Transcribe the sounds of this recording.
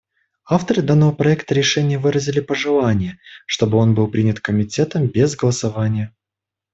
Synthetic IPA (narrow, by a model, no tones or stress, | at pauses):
aft̪əɾɨd̪anːəvəpɾɐɛkt̪əɾʲɪʂɛnʲɪjəvɨɾəzʲɪlʲɪpəʐɨlˠanʲɪjəʂt̪o̞bɨo̞nbɨlˠpɾʲinʲɪt̪kəmʲɪtʲe̞t̪əmbʲezɡəlˠəsavanʲɪjə